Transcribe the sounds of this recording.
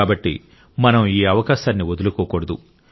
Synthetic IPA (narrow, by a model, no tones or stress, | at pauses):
aːbɐʈːḭ | mɐnɐmiːɐʋɐkaːʃaːnːiod̪ɐlukɔːkɔɽɐd̪u